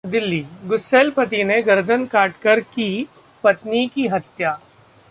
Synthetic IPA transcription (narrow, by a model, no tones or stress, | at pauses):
d̪ɪlːiːɡʊseːlpɐt̪ineɡɐɾd̪ʱənkaːʈkəɾki | pɐt̪nikiɦɐt̪jaː